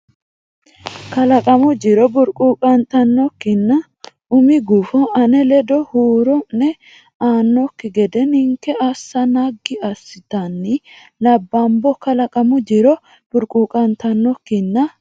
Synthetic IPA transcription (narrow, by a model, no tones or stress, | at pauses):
kɐlɐkʼɐmʊd͡ʒɪɾɔbʊɾkʼuːkʼɐnt̪ɐnːɔkːɪnːɐ | ʊmɪɡuːfɔʔɐnɛlɛd̪ɔhuːɾɔnːɛ | aːnːɔkːɪɡɛd̪ɛnɪŋkːɛɐsːɐnaɡɪɐsːɪt̪ɐnːɪ | lɐbːɐmbɔkɐlɐkʼɐmʊd͡ʒɪɾɔ | b̥ʊɾkʼuːkʼɐnt̪ɐnːɔkːɪnːɐ